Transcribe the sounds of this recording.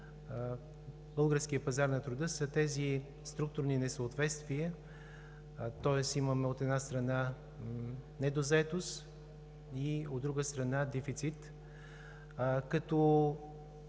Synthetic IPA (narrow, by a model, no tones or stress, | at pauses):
bɤlˠɡəɾsk̟ijəpɐzaɾnɐt̪ɾud̪əsət̪ɛzi | st̪ɾuk̚t̪ʊɾninɛsəot̪vɛt̪st̪viə | t̪ɔɛsimɐmɛot̪ɛnast̪ɾɐna | nɛd̪ozɐɛt̪ost̪ | iod̪ːɾuɡəst̪ɾɐnad̪ɛfit̪sit̪ | kɐt̪ɔ